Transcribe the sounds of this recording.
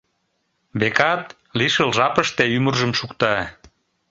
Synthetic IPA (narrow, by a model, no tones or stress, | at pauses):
βekɑt̪ | liʃəlʒɑpəʃt̪eymərʒəmʃukt̪ɑ